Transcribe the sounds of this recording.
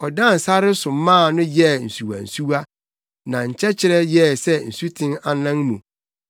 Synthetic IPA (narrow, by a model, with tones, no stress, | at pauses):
ɔ˨dã˦˨n̩˨sa˦ɾɪ˦sʊ̃˨˦mːãː˦˨nʊ̃˦jɛ˦˨n̩˨su˨wa̰˨n̩˨su˦wa˦ | nã˨ɲ̩˨t͡ɕʰɛ˦t͡ɕʰɪ˦ɾɛ˦jɛ˦˨sɛ˦n̩˨su˦tʰɪ̃˦na˨nã˦ŋmũ˨